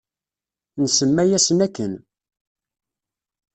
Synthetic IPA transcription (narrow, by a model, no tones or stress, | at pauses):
nsəmːæjæsnækːən